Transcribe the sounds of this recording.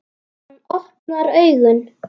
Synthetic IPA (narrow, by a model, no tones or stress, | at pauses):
nɔhpnaɾœɥɣʏn